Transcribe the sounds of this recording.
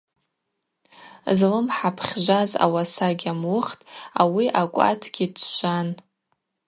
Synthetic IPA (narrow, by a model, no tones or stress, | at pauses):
zlɨmħapʰχʲʒʷaza̰wasaɡʲamwʊχtʼawiʔakʷʼa̰tʰɡʲitʷʰʒʷan